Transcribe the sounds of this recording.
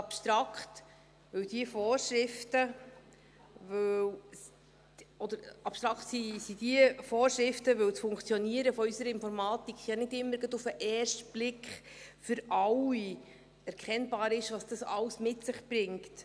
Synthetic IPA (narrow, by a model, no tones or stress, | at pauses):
ɑpʃt̪ɾɑkχt | ʋɵwd̥iəfɔːrʃɾɪftə | vɵw | ɔd̥̪əɾɑpʃt̪ɾɑkχtsisid̥iəfoːrʃɾɪftəʋɵwt͡sfʊŋkt͡sjɔniəɾəfɔysəɾəɪnfɔɾmɑːt̪ikχjɑnɪdɪmːəɾɡ̥ɑdufəʔɛːrʃtb̥lɪkχfʏɾɑwi | ɛɾkχɛnbɑːɾɪʃʋɑsd̥ɑsɑ̰wsmɪtsɪχb̥ɾɪŋkt